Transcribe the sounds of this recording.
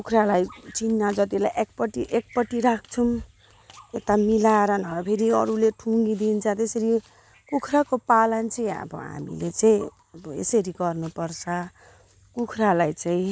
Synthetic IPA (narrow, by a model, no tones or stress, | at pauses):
kukʰɾalajt͡sinːad͡zʌt̪ilajʔek̚pʌʈiʔek̚pʌʈiɾakʰt͡sʰum | et̪amilaeɾʌnʌpʰeɾiʌ̰ɾuleʈʰuŋɡid̪int͡sʰʌt̪esʌɾi | kukʰrakopalʌnt͡sʌĩʌ̰bʌ̰ɦa̰mḭlet͡saĩ | ʌbʌḛsʌɾiɡʌrnupʌrt͡sʰʌ | kukʰralajt͡saĩ